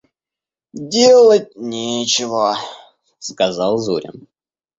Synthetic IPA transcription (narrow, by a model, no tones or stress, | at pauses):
dʲelˠət̚ʲnʲet͡ɕɪvə | skɐzɑlˠzṵɾʲɪ̰m